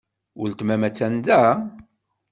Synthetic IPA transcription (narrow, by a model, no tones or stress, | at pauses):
ʊ̰lt̪mæmæt͡sːænd̪æ